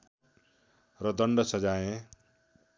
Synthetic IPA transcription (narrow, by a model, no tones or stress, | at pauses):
rʌd̪ʌɳɖʌsʌd͡zaẽ